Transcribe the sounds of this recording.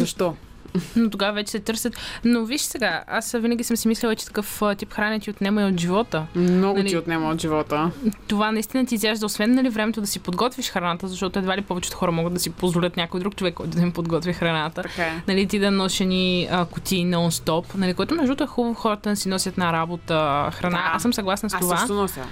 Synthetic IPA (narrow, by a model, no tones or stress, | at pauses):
zɐʃt̪ɔ | not̪oɡavɐvɛt͡ʃɛ̥sɛt̪ɤɾsʲət̪noviʃsɛɡaa̰svinɐɡʲisəmsimisliɛlˠɐt͡ʃɛ̥t̪ɐ̥kɤfət̪ipxɾanɛt̪ʲiot̪nɛmɐjot̪ʒivɔt̪ənɔɡnʊɐliiot̪nɛməot̪ʒivɔt̪ət̪ovanɐist̪inɐt̪̬iːzjaʒd̪ɐosvɛnːɐlivɾɛmɛt̪od̪ɐsipod̪ɡɔt̪vʲiʃxɾɐnat̪əzɐʃt̪ɔt̪ʊɛd̪valipɔvɛt͡ʃɛ̥t̪xɔɾəmɔɡəd̪ɐsipozvolʲət̪nʲakojd̪ɾuk̚t͡ʃovɛkːɔjt̪ʊd̪ɐmipod̪ɡɔt̪vʲixɾɐnat̪əkanɐlit̪id̪ɐnɔʃɛniəkʊt̪inonst̪ɔpnɐlikoɡɛt̪ʊmnɛʒd̪ɔt̪ʊɛxubəvoxɔɾət̪ənɛsinɔsʲət̪ɛnɐɾabot̪əxɾɐnaasəmsɐɡlˠasnɐst̪ovanɔsʲə